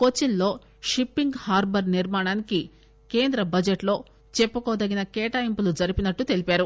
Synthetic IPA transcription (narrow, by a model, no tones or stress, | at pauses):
kot͡ʃːinlo̞ː | ʂipːiŋɡhaːɾbɐɾniɾmaːɳaːniki | ke̞ːnd̪ɾɐbɐd͡ʒeʈlo̞ː | t͡ʃɛpːɐkoːd̪ɐɡinɐkɛːʈaːjimpulud͡ʒɐɾipinɐʈːut̪e̞lipaːɾu